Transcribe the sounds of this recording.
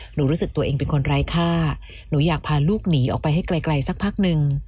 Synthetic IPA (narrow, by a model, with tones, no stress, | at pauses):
nuː˩˦ɾuː˦˥sɯ˨˩k̚t̪u˧ɐʔeː˧ŋpe˧nkʰo˧nɾaː˦˧jkʰaː˥˩ | nuː˩˦jaː˨˩k̚pʰaː˧luː˥˩k̚niː˩˦ʔɔː˨˩k̚pa˧jɦa˥˩jkla˧jkla˧jsa˧˥k̚pʰaː˥˩k̚nɯ˧ŋ